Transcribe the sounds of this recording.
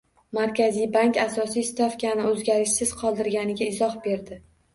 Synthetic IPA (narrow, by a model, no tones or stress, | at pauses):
maɾkʲazijbaŋkʲasɒsist̪ʰafkʲanɪɵzɡʲaɾɪʃsɪz̥qʰɒlˠd̪ɪɾɡʲanɪɡʲaɪzɒhbe̞ɾd̪ɪ